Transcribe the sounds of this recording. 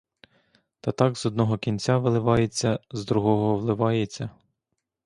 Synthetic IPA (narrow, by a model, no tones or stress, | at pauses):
t̪ɐt̪ɑɡzɔd̪nɔɦɔkʲinʲt͡sʲaʋɪlˠɪʋɑjet͡sʲːɐzd̪ɾuɦɔɦɔʋlˠɪʋɑjet͡sʲːɐ